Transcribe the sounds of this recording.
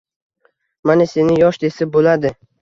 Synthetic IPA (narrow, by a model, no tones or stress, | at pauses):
manɪse̞nɪjɒʃd̪e̞sɪb̚bolad̪ɪ